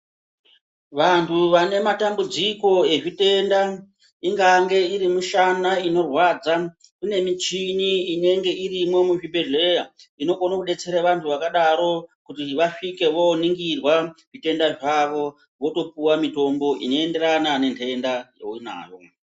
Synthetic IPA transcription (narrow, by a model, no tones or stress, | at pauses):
ʋantʰuʋane̞matambud͡ziko̞e̞ʐite̞nda | iŋɡaŋɡe̞iɾimuʃanaino̞rwaːd͡za | kune̞mit͡ʃiniine̞ŋɡe̞irimo̞muʐiberlejaino̞ko̞nakuɗe̞t͡se̞ɾaʋantʰuʋakaɗaɾo̞kutiʋaʂike̞ʋo̞niŋɡirwaʐite̞ndaʐaʋo̞ | ʋo̞to̞puwamito̞mbo̞ʔḭno̞ende̞ranane̞ntʰendajo̰ina̰ːjo̞̰